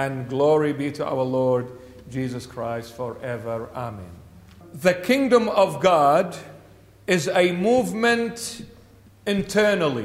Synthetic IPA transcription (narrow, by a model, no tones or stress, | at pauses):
ɨ̃nɡlɔɹibiɾəʔa̰ʊə˞lɔɹd | d͡ʒizəskʰɹ̥aɪstfə˞ʔɛvə˞amɛ̰̃n | ðɨkʰɪ̃ŋdə̃mʌvɡɑd | ɪzɨmuvmɨ̃nt | ɨ̃ntʰɜ˞nl̩ˠḭ